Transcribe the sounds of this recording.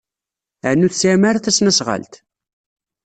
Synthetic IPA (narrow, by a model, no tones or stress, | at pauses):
əʕnːuθsamaɾθæsnæsʁə̰lt̪